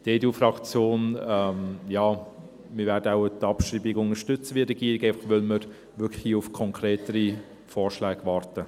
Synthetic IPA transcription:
d̥eːduːfrɑkt͡sjoːnɛmjɑː | mɪɾvɛːɾd̥əaʊtɑpʃɾiːbɪɡʊnəʃtʏt͡səʋiəɾɛɡ̥iːɾiɡaɪfɑχʋœlməɾ | ʋʏkʰhiːʊfkʰɔŋkʰɾeːtəɾi | fɔːɾʃlɛːɡ̥vɑːrtə

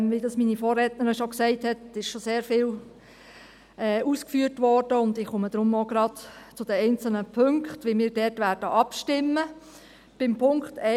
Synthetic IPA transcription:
ʋidɑsmiːnifɔːrɛtnəɾiʃoksɛɪthɛtɪʃʃoseːɾfɪːl | ɛːuːskfyːtʋɔrd̥əʊndɪχʊməd̥ɾʊmoɡɾɑdt͡sʊd̥əɛɪnt͡sl̩nəpʰøŋkχtʋɪmɪːɾdɛtʋæːɾd̥əʔɑpʃtɪmːə | b̥ɪmpʰʊŋktɛ

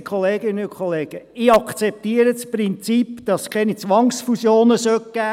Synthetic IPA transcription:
kʰɔleːɡ̥ɪnənʊkʰoleːɡ̥əɪːɑkχt͡sɛp̚tiːəɾəsprɪnt͡sipd̥ɑskʰɛnit͡sʋɑŋsfusjoːnəsœkɡ̥æː

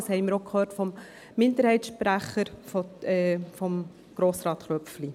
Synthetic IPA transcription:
shɛɪməɾokʰøːɾtfɔmː | ɪndəɾhɛɪtsʃpɾæχːəɾfɔɛfɔm | ɡ̥ɾoːsɾɑːt̪χœpfli

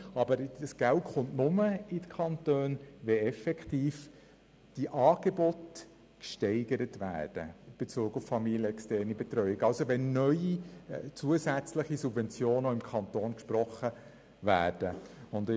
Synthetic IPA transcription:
ɑbəɾəsɡ̥æltχʊntnʊməɪdəkʰɑntøːnʋɛɛfɛkχtiːf | d̥iʔɑːɡ̥ebɔt | kʃtɛɪɡəɾətvæ̰ːd̥ə̰ɪb̥et͡suːɡʊffɑmiljəɛkstɛɾnibɛt̪rœʏɪɡɑlsoʋɛnːœʏit͡suəsæt͡sləχisubvɛnt͡sjoːnoɪmkʰɑnt̪oːnkʃpɾɔχə | væ̰ːɾd̥əʊnd

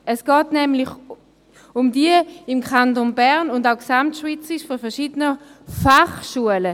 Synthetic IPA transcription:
ɛsɡ̥ɑːtnɛmlɪç | ʊmdiəɪmkʰantonbɛʁnʊndaʊksamtʃvit͡sɪʃfɔfɛɐʃiːdənəfaχʃuələ

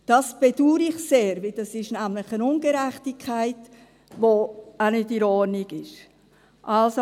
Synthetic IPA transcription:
d̥ɑsb̥ɛd̥uːɾɪχseːɾvɪld̥ɑsɪʃnæmlɪχənʊnɡ̥əɾɛχtikʰaɪt | ʋoanʏtiɾɔɾniɡɪʃ | ʔɑlso

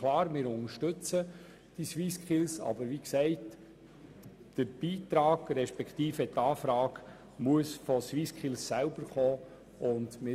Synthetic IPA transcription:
lɑːɾmɪːɾʊnəɾʃtʏt͡sə | d̥isʋiskχɪlsɑ̰bəɾʋiksɛɪt | d̥əɾb̥iːtɾɑːɡ̥ɾɛʃpɛkχt̪iːfɛtːɑːfɾɑːɡ | muəsfɔsʋiskχɪlsːælbəɾχoː | ʔʊndmɪː

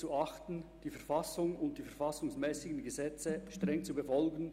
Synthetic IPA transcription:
t͡suɑχttn̩d̥iːfɛɐfasʊŋʊnt̚d̥iːfɛɐfasʊŋsmɛːsɪɡən̩ɡəzɛt͡səʃtʁɛŋt͡subəfɔlɡən̩

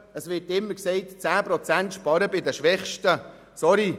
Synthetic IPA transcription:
əsʋɪtɪmːəksɛɪtt͡sæːpɾɔt͡sæntʃpɑɾəbɪd̪əʃʋɛχʃtə | sɔɾi

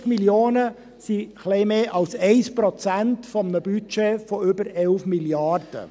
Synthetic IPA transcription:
miljoːnə | siχlɛɪmeːʔɑlsɛɪspɾɔt͡sæntfɔmənəbyt͡ʃefɔʏbəɾɛlfmiljɑrd̥ə̰

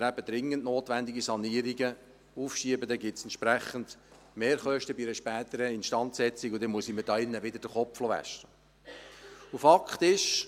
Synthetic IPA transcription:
əɾæbəd̪ɾɪŋːənʔnoːtʋænd̪iɡisɑniːəɾiɡə | uːfʃiəbəd̪ɛɡɪtsɛntʃpɾæχənd̥ | meːɾχœʃtəbiɾəʃpæːt̪əɾəɪnʃtɑnt̪sɛt͡sikʊd̥̪ɛnmuəsiməd̥ɑːɪnːəʋɪd̪əɾd̥əχɔpflɔʋæ̰ʃtə | ufɑkχt̪ɪʃ

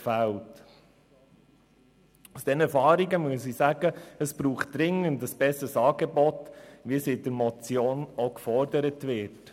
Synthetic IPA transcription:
fælt | usd̥ɛnɛɾfɑːɾiɡəmyəsisæɡəəsb̥ɾuːχt̚d̥ɾɪŋəndəsb̥ɛsəsɑːɡebɔtʋisɪdəɾmɔt͡sjoːnokfɔɾdəɾətʋɪt

